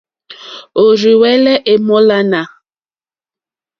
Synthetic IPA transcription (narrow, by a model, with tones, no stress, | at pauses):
o˨ɾi˨wɛ˦lɛ˦ʔe˨mɔ˦la˦na˨